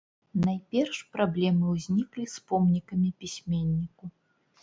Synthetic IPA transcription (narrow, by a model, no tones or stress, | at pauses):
najpʲɛrʂpɾablʲɛmɨwzʲnʲiklʲispɔmnʲikɐmʲipʲisʲmʲenʲːiku